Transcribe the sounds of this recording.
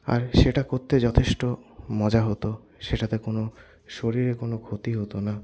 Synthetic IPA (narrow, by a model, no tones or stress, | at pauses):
a̰ɾʃeʈakoɾt̪ed͡ʑɔt̪ʰeʃʈomɔd͡ʑaɦot̪o | ʃeʈat̪ekono | ʃoɾiɾekonokʰot̪iɦot̪ona